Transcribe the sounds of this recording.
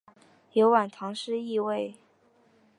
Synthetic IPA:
jo˧˥ʊwa˨˩nt̪ʰɑ˧˥ŋʂɻ̩˥i˥˧we˥˩ɪ

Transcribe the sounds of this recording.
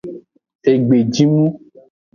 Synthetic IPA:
e˨ɡ͡be˨d͡ʒi˦mũ˦

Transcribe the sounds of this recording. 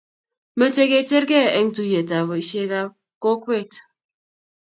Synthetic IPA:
me˨te˦ɣe˨te˦ɾɡe˦˨e˦ŋ̩˦tu˦je˨ta˨βo˨i˨˦ʃe˦ɣa˦ | ko˦kwe˦˨t

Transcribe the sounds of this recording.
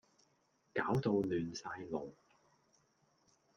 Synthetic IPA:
kaː˨˥wt̪o˧wlyː˨nsaː˧jlo˨˩w

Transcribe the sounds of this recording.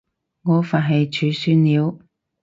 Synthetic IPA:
ŋɔː˨˧faː˨nɦɐ˨jt͡ʃʰyː˨˧syː˧˥nliː˨˧w

